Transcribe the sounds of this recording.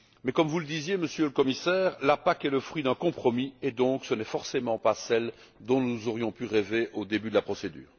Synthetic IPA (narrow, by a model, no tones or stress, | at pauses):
mɛkɔmvuləd̪izjeməsjøləkɔmisɛːʁlapakɛləfχɥid̪ɛ̃kɔ̃pχɔmiɛd̪ɔ̃ksənɛfɔʁsemɑ̃pasɛl | d̪ɔ̃nuzɔʁjɔ̃pyʁeveʔod̪ebyd̪əlapχɔsed̪y̰ːʁ